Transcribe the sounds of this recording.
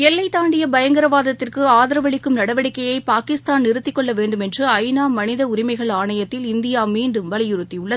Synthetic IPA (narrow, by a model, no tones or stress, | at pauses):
ɛlːɐɪt̪ːaːɳɖɪjɐbɐjɐŋɡɐɾɐʋaːðɐt̪ːɪrkɯaːðɐɾɐʋɐɭɪkːɯmnɐɽɐʋɐɽɪkːɐjɐɪpaːkɪst̪aːnɪɾɯt̪ːɪkːɔɭːɐʋeːɳɖɯmɛndrɯɐɪnaːmːɐnɪðɐʊɾɪmɐɪɣɐɭaːɳɐjɐt̪ːɪlɪnd̪ɪjaːmiːɳɖɯmʋɐlɪjʊɾɯt̪ːijʊɭːɐðɯ